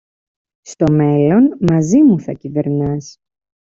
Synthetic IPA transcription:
st̪o̞me̞lo̞nmɐzimuθɐcive̞ɾnɐs

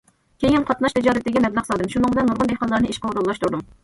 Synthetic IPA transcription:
kʲʰejinqʰɑt̪nɑʃt̪ʰɪd͡ʒɑːɾɨt̪ːɪɡʲimɛblˠɑqsɑd̪ɨmʃunɨŋbɨlɛnːuɾʁʊnd̪ehqɑnlːˠɑɾnɨiʃqɑuɾulˠːɑʃt̪ʰuɾd̪um

